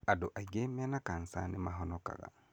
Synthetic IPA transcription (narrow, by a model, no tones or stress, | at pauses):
adoʔaiɡemɛnakansa̰nemaɦɔnɔka̰ɣa̰